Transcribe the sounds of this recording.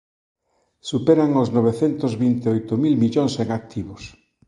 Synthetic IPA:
supeɾaŋoznoβ̞eθent̪ozβint̪eojt̪omilmiʎoŋseŋak̚t̪ʰiβos

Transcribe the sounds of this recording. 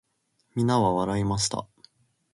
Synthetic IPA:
mʲinaβaβaɾaimaɕi̥t̪a̰

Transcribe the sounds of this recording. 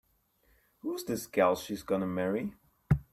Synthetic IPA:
huzðɪsɡ̥ɛlˠʃizɡʌnəmɛɹi

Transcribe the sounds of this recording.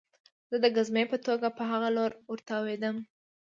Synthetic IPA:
z̥əd̪əɡazmepət̪oɡapəɦaɣaloɾʊɾt̪awed̪əm

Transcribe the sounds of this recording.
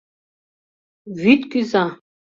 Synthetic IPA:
vit̪kʼiza

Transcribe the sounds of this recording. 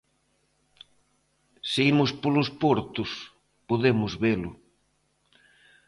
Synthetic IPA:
seimʊspolʊspɔɾt̪ʊs | poðemʊzβelʊ

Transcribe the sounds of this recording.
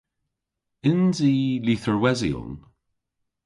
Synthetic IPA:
ɪnziːliθəɹwɛzḭʊ̰n

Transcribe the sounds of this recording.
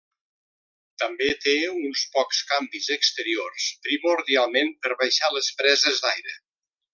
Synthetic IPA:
t̪əmbet̪eunspɔkskambizəkst̪əɾiorspɾimuɾðialˠmenpəɾβəjʃaləspɾɛzəzðajɾə

